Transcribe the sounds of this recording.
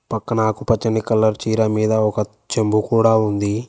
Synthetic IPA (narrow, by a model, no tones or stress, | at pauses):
pɐkːɐnaːkupɐt͡ʃːɐnikɐlːɐɾt͡ʃiːɾɐmiːd̪ɐɔkɐ | t͡ʃembukuːɽaːund̪i